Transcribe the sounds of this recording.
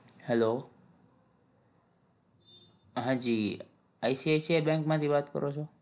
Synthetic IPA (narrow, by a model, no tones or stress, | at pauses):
hɛlo | ɦãd͡ʒiː | aisiajsiebɛ̃ŋkmãt̪ʰiʋaːt̪kə̰ɾʔot͡ʃʰo